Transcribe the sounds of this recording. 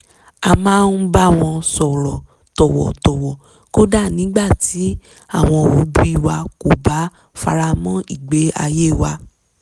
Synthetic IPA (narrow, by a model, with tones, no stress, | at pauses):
a˧mãː˦˧n̩˦ba˦w̃ɔ̃˧sɔ˨ɾɔ˨ | tɔ˨wɔ̰˨tɔ˨wɔ˨ | ko˦da˦˨nĩ˨˦ɡ͡ba˦˨ti˨˦ | a˦˨w̃ɔ̃˧˨wo˨˦bu˦i˦˧˨wa˧ko˨ba˨˦ | fa˧ɾa˧mɔ̃˦i˦˨ɡ͡be˨˦a̰˧je˦˨wa˧